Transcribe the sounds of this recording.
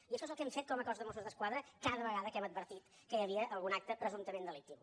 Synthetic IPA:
iəʃɔzəlˠkɛmfet̪̚kɔməkɔzðəmos̬uzðəskwaðɾəkaðəβəɣaðəkɛməd̪̚bəɾt̪it̪ | kəjəβiəʔəlˠɣunak̚t̪əpɾəzunt̪əmend̪əlik̚t̪iw

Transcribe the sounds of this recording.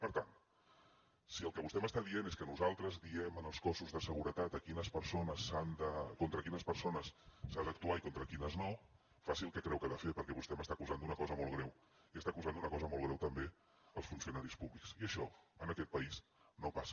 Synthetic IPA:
pəɾt̪an | siəlˠkəβust̪ɛməst̪aðieneskənuzalˠt̪ɾəzðiɛmənəlˠskɔsuzðəsəɣuɾət̪at̪əkinəspəɾsonəsand̪əkont̪ɾəkinəspəɾsonəsːand̪ək̚t̪uaikont̪ɾəkinəzno | fasilˠkɛkɾɛwkəðəfepəɾkɛβust̪ɛməst̪akuzand̪unəkɔzəmɔlˠɣɾɛw | iəst̪akuzand̪unəkɔzəmɔlˠɣ̞ɾɛwt̪əmbe | əlˠsfunsiunaɾispuβliksiəʃɔənəkɛt̪̚pəisnopasə̥

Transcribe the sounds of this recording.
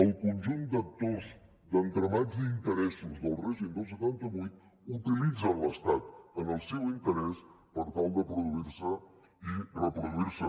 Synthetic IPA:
əlˠkunʲʒund̪ək̚t̪oz | d̪ənt̪ɾəmazd̪int̪əɾɛsuzd̪əlˠrɛʒind̪owsət̪ant̪əβujt̪̚ | ut̪ilid͡zələst̪at̪ənəlˠsɛwint̪əɾɛspəɾt̪alˠd̪əpɾuðuiɾsə | irəpɾuðuiɾsə

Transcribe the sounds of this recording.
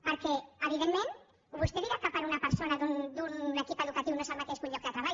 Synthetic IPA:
paɾkeaβ̞iðemːẽn | βust̪eiɾakapaɾunapeɾsonaðund̪unlekipeðukat̪iwnosamat̪eʃkuɲʎɔk̚ðət̪ɾaβa

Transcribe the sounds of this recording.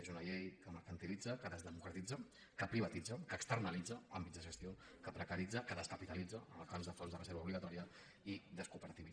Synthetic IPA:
ezunəʎejkəməɾkənt̪ilid͡zəkəðəzðəmukɾət̪id͡zə | kəpɾiβ̞ɐt̪id͡zəkəːkst̪əɾnəlid͡zəambid͡zdðəʒəst̪ion | kəpɾəkəɾid͡zəkəðəskəpit̪əlid͡zəənəlˠkamzðəfonzðərəzeɾβəuβliɣat̪ɔɾiə | iðəskupəɾət̪ii

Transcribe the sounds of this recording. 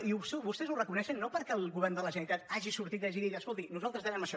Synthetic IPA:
iust̪eβust̪ɛzurəkunɛʃənːopəɾkɛlˠɣuβɛrnd̪ələʒənəɾit̪at̪aʒisuɾt̪it̪aʒiðiɣəskolˠt̪inuzalˠt̪ɾəzðɛɾɛməʃɔ

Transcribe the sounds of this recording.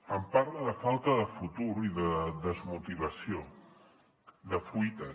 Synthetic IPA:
əmpaɾləðəfalˠt̪əðəfut̪uɾiðəðəzmut̪iβəsio | ðəfujt̪ə

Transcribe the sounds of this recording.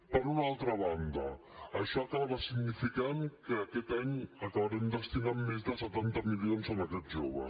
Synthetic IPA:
pəɾunalˠt̪ɾaβand̪a | aʃɔakaβaβasiɡnifikaŋkəakɛt̪aɲakaβaɾemd̪əst̪inamːezd̪əsət̪ant̪amilionsanakɛt̪ʒoβa̰

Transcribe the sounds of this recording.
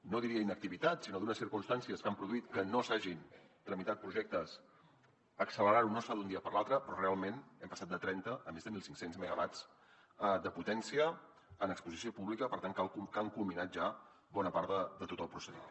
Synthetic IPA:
noðiɾiəinək̚t̪iβit̪at̪sinoðunəsiɾkunst̪ansiəskampɾuðuit̪kənosaʒin | t̪ɾəmit̪at̪̚pɾuʒɛk̚t̪əs | əksələɾaɾunɔsaðund̪iəpəɾlˠalˠt̪ɾəpɾɔrealˠmenɛmpəsat̪̚d̪ət̪ɾɛnt̪əʔːmezðəmilˠsiŋksenzməɣəβat͡s | d̪əput̪ɛnsiəː | nəkspuzisiopuβlikəpəɾt̪aŋkalkkaŋkulminat̪̚ʒa | βɔnəpaɾðəd̪ət̪ot̪əlˠpɾusəðḭ

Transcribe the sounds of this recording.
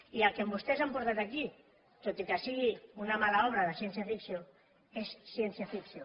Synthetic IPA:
ialkembust̪ezampoɾt̪at̪aki | t̪ot̪ikasiɣiunamalaɔβ̞ɾaðasjenθjafiksjo | esːjenθjafiksjo

